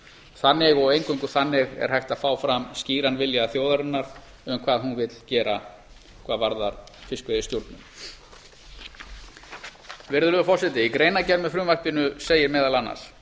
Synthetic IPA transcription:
θanːɪɣɔɣejŋkʰʏŋkʏθanːɪɣɛ̰ɾ̥hajxt̪aðfaːwfɾamsciːɾanvɪljaθjowðaɾʏnːaɾ̥ | ʏmkʰvaːðhunvɪt̪l̥cɛːɾa | kʰvaːðvaɾðaɾfɪskvʏɪst̪juɾt̪nʏm | vɪɾðʏlʏʏfɔr̥sɪt̪ɪikɾejnacɛmɛðfɾʏːmar̥pɪnʏseːjɪɾmɛːðalanːa̰s

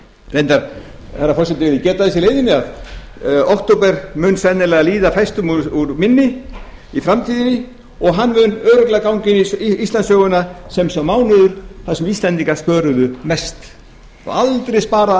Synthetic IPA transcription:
vejnt̪aɾ | θɛrafɔrsɛt̪ɪvɪɾðɪcɛːt̪aθɛsɪleːjðɪnɪað | ɔhkt̪owpɛɾmʏːnsɛnɪɾlɛːɣaliːðafajst̪ʏmuuɾmɪnːɪ | ifɾamt̪ʰiːðɪnɪ | ɔɣɦanːmʏnœːɾʏk̪lɛːɣakawŋcɪnɪist̪lansœːɣʏnasɛmsɛmaːwnʏðʏɾ̥θaðsʏmist̪lɛnt̪iŋkḁspœːɾʏðʏmɛst̪ | ɔ̰alt̪ɾejspaːɾa

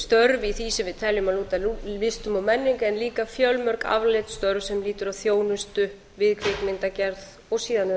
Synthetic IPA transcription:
st̪œɾviθisɛmvɪðt̪ʰɛljʏmaluːt̪aɪst̪ʏmawmɛnːɪŋkaɛnliːkafjœlmœɾ̥ka̰vlɪt̪st̪œɾvsɛmliːt̪ʏɾawθjoːwnʏst̪ʏ | vɪðkʰɾɪkmɪnt̪acɛɾð | ɔɣsiːðanɪ

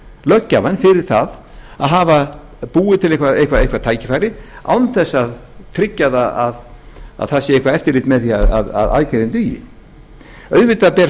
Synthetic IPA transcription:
lœcːavanfɪɾɪɾ̥θað | aðɦaːva | puːɪt̪ʰɪlejkvaejhkvaejhkʰvaɾt̪ʰaːjcɪfaːjɾɪa̰wnθɛsːaðt̪ʰɾɪcːaðaað | a̰ðθasːɪejkvaɛft̪ɪlɪt̪mɛðθiaða̰ða̰ða̰ðcaɾɪnt̪yjɪ̰ | œɥðvɪt̪apɛːɾ

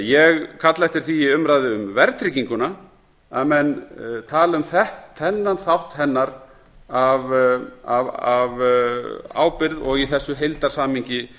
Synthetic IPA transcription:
jɛɣkʰat̪laɛht̪ɪɾ̥θiɪʏmɾaːðɪʏmvɛɾt̪ʰɾiciŋkʏna | amɛnt̪ʰaːlʏmθɛht̪θɛnːanθawht̪hɛnːaɾ | avavav | a̰ːwpɪɾðɔɣiθɛsːʏɦejlt̪aɾ̥saːmiɲcɪ

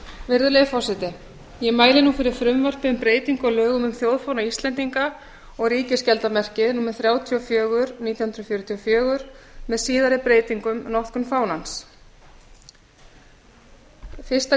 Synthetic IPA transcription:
vɪɾðʏlejɪfɔwsɛt̪ɪ | jɛmaːjlɪnufɪɾɪɾ̥fɾʏmvar̥pɪʏmpɾeːjt̪iŋkɔlœːɣʏmʏmθjowðfownaist̪lɛnt̪iŋka | ɔɣɾiːcɪscɛlt̪amɛr̥cɪðnuːmɛθɾjaːwt̪ʰiɔfjœːɣʏɾniːt̪jahʏnɾɔfjœːɾʏt̪ʰiɔfjœːɣʏɾ̥mɛðsiːðaɾɪpɾeːjt̪iŋkʏmnɔhkʏmfaːwnans | fɪ̥st̪a

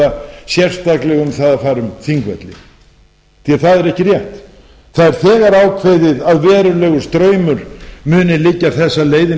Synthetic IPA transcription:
asjɛr̥st̪aklɛɣʏmθaðafaːɾʏmθiŋkvɛ̰t̪lɪ̰ | θiaθaðɛɾɛhcɪr̥jɛht̪ | θaðɛɾ̥θɛːɣaɾaːwkʰvejðɪðaðvɛːɾʏlɛːɣʏɾ̥st̪ɾœːɥmʏɾ̥mʏːnɪlɪcːaθɛsːaleːjðɪ

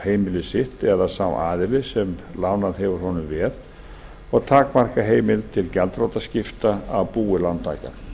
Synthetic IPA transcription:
heːjmɪlɪsɪht̪ɛðasawa̰ːðɪlɪsɛmlawnaðɦɛvʏɾ̥hɔnʏmvɛð | ɔɣt̪ʰaːkmar̥kaɦeːjmɪlt̪ʰɪlcɛlt̪rowt̪ascɪft̪aawpuːɪlant̪ʰːa̰ːka̰

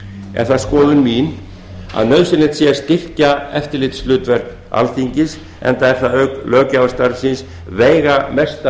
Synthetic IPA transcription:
ɛ̰ɾ̥θaðskɔːðʏnmiːn | a̰ðnœðsɪnɪt̪sjɛɾ̥st̪ɪr̥caɛft̪ɪɾlɪt̪slʏːt̪vɛɾ̥kn | a̰lθiɲcɪs | ɛ̰nt̪aɛɾ̥θaðœklœːcavst̪aɾsɪns | veːjɣamɛst̪a

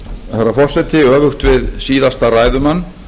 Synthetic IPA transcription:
θaɾːafɔr̥sɛt̪ɪœːvʏxt̪vɪðsiːðast̪araːjðʏmanː

